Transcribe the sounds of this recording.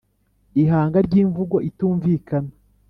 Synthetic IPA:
iɦaːŋɡaɾɟiːɱvuɡo̞ʔituːɱvikana

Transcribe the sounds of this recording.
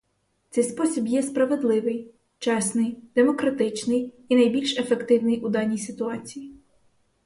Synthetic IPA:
t̪sɛjspɔsʲibjɛspɾɐʋe̞d̪lˠɪʋɪj | t͡ʃɛsnɪjd̪̥emɔkɾɐt̪ɪt͡ʃnɪj | inɐjbʲilʲʃefe̞kt̪ɪwnɪjʊd̪ɑnʲijsɪt̪ʊɑt͡sʲiji

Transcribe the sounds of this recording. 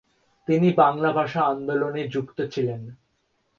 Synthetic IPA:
t̪inibaŋlabʱaʃaand̪oloned͡ʑukt̪ot͡ɕʰilen

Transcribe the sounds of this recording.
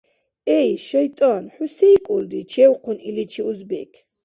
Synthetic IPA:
ɛjʃɛjt̪ʼɔnħusɛkʼuld̪it͡ʃʰɛwqʰunilit͡ʃʰiuzbɛkʰ

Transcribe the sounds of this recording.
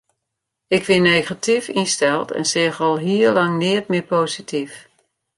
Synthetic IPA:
ɪkʋɪnːeɣatifinstɛlˠtʰɛ̰nsɪːχɑlˠɦiːəɹlɑŋnɪətmɪpoːzitʰif

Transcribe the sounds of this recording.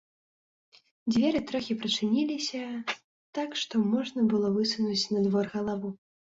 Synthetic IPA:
d͡zʲvʲɛɾɨt̪ɾɔxʲipɾɨt͡ʂɨnʲilʲisʲɐ | t̪akʂt̪ɔmɔʐnɐbɨlˠɔvɨsunut͡sʲnɐd̪vɔrɣɐlˠavu

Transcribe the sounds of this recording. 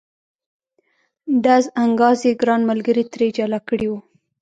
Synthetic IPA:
d̪azaŋɡɑzeɡɾɑnmalɡəɾit̪ɾed͡ʒalakəɽiwu

